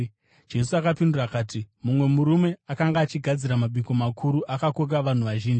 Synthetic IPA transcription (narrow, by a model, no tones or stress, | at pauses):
d͡ʒe̞suakapindurakaːtimumwe̞muɾume̞akaŋɡaːt͡ʃiɡʱad͡ziɾamaɓiko̞makʰuɾuʔakakok̬aʋan̤uʋaʒiːnd͡ʒi